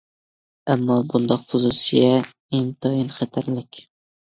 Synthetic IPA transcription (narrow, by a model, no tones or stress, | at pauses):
amːɒːbʊnd̪ɒqχʊsusija | eŋt̪ʰɒjɪnχat̪ʰaɾlɪkʲ